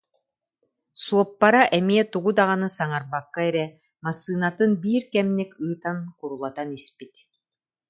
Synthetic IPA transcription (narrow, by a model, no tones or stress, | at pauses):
suɔpːaɾaʔɛmiɛt̪uɡud̪aʁanɯsaŋaɾbakːaɛɾɛ | masːɯːnat̪ɯnbiːɾkɛmnikɯːt̪ankuɾulˠat̪anispit̪